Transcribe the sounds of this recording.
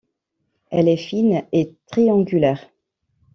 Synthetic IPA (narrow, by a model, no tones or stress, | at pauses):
ɛlɛfinet̪χiɑ̃ɡʲylɛːʁ